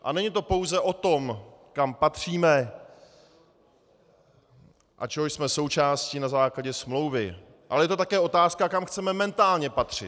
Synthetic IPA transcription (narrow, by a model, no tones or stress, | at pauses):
ʔa̰nɛɲɪt̪o̞po̞wzɛʔo̞t̪o̞mkampat̪r̝̥iːmɛ | ʔa̰t͡ʃɛɦoʃsmɛso̞wt͡ʃaːscɪnazaːklaɟɛsmlo̞wvɪ | ʔa̰lɛjɛt̪ot̪akɛːʔo̞t̪aːskakamxt͡sɛmɛmɛnt̪aːlɲɛpat̪r̝̥ɪt̪